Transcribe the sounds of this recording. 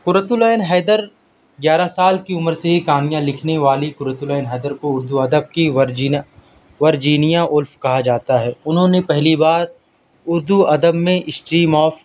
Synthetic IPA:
kʊɾət̪ʊlɛːnɦɛːd̪əɾ | ɡjaːɾasaːlkiʊməɾseɦikaːnijãlɪkʰneʋaːlikʊɾət̪ʊlɛːnɦɛːd̪əɾkoʊɾd̪uɐd̪əb̚kii | ʋɐɾd͡ʒiːnijaʔʊlfkɐɦad͡ʒaːt̪aɦɛːʊnɦõnepɛɦlibaːɾ | ʊɾd̪uɐd̪əbmẽʔɪsʈɾiːmɔːf

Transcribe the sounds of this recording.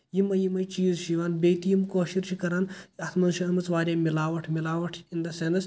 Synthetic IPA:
jimɐjimɐjt͡ʃiːzʃiʋɐnbʲeːjt̪ijmkoːʃiɾt͡ʃʰikɐɾanɐt̪ʰmɐnʃɐɐmɐt͡sʋaːɾʲjaːmilaːʋɐʈʰmilaːʋɐʈʰind̪ɐsenɐs

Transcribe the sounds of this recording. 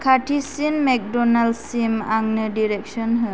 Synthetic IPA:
kʰaʈʰisinmɛk̚dɔnalsimaŋnɯdiɾɛk̚sɔnɦɯ

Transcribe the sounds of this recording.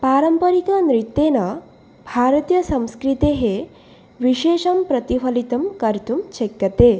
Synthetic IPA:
paːɾɐmpɐɾikɐnɾit̪ːeːnɐ | bʱaːɾɐt̪ijɐsɐ̃mskɾit̪eɦe | ʋiʃeːʃɐmpɾɐt̪ipʰɐlit̪ɐmkɐɾt̪umt͡ʃekjɐt̪eː

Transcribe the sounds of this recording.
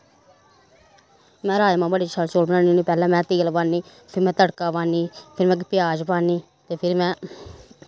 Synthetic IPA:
mɛ̃ːɾaːjmãːbəɽiːt͡ʃʰəlt͡ʃoːlbənãːniːniːpɛːlɛ̃ːmɛ̃ːt̪eːlbaːniː | pʰɪɾmɛ̃ːt̪əɽkaːʋaːniːpʰɪɾmɛ̃ːkpɪjaːd͡ʒpaːniː | t̪eːpʰɪɾmɛ̃ː

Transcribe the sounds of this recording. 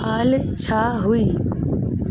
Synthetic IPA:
aːlt͡ɕʰaːɦʊiː

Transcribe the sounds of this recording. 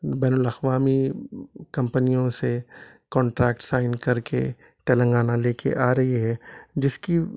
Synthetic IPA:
bɛːnʊlɐxʋaːmi | kɐ̃mpənijõse | kɔ̃ːɳʈɾɛːkʈsaːɪnkɐɾkḛ | t̪ɛːlə̃ŋɡaːnaleːkʰḛʔaːɾɐɦiɦɛːd͡ʒɪski

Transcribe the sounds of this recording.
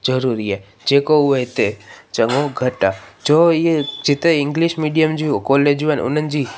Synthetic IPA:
d͡ʒəɾuɾie | d͡ʒekouʋəit̪et͡ʃəŋɡoɡʱəʈad͡ʒoed͡ʒit̪eɪŋɡliʃmiɖijəmd͡ʒujokolːed͡ʒuʋanʔṵnənd͡ʒi

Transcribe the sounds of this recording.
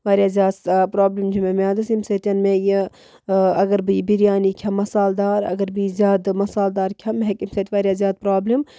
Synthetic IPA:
ʋaːɾʲjaːzʲjaːd̪pɾaːblimd͡ʒimemʲaːd̪ɐsimset̪ʲɐnmeji | ɐɡɐɾbiːbiɾijaːnikʰɐmɐsaːld̪aːɾɐ̰ɡɐɾbiːzʲjaːd̪mɐsaːld̪aːɾkʲʰɐmɦekimset̪ʰʲʋaːɾʲjaːzjaːd̪̚pɾaːblim

